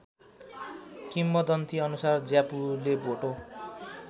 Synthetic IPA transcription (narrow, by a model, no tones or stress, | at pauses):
kimːʌd̪ʌnt̪iʌnusard͡zjapuleboʈo